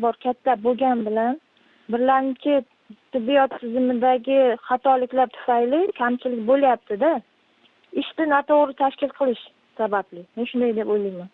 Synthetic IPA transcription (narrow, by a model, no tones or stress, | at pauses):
bɒɾkʲʰat̪ʰːaboɡʲanbɪlan | bɪɾlaɾɪmt͡ʃʰɪ | t̪ʰɪbːijɒt̪ʰːɪzɪmɪd̪aɡʲɪχɑt̪ʰɒlɪkʲlaɾt̪ʰʊ̥fajlɪkʲʰamt͡ʃʰɪlɪkʲbolajap̚t̪ʰɪd̪a | ɪʃt̪ɪnat̪ʰoʁɾɪt̪ʰaʃkʲɪlˠqʰɨlˠɪʃ | sabablɪme̞nʃʊnd̪ajd̪e̞pojlɪŋman